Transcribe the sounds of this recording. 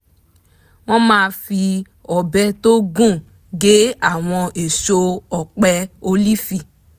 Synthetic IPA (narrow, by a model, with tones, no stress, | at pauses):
w̃ɔ̃˦mãː˦˧fi˧ | ɔ˨bɛ˧to˦ɡũ˦˨ | ɡe˨˦a˦˨w̃ɔ̃˧ʔe˨ʃo˧ɔ˨k͡pɛ˧o˧li˦fi˨